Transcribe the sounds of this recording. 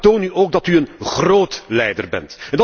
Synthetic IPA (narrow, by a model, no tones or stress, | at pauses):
toːnyoːɡ̚dɑtyənχroːtlɛjdərbɛ̰ntɛndɑ